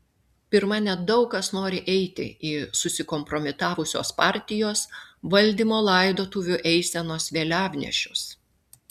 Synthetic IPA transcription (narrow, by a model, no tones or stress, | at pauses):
pʲɪɾmɐnʲɛd̪ɐʊkɐsnoːɾʲɪʔɛɪt̪ʲɪ̰isʊsʲɪkɔmpɾɔmʲɪt̪ɑːʋʊsʲo̰ːspɑˑɾʲt̪ʲɪjoːsʋɐlʲd̪ʲiːmoːlˠɐɪd̪oːt̪uːʋʲʊʔɛɪsʲɛnoːsʋʲeːlʲæːʋʲnʲɛ̰ʃʲʊs